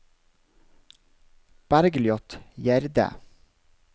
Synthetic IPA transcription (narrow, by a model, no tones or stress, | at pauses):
b̥æɾɡljɔt̪jæɾd̪ə̰